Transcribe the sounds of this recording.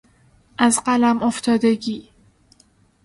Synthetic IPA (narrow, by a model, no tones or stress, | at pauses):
ʔæzɢælæmoft̪ʰɒːd̪eɟiː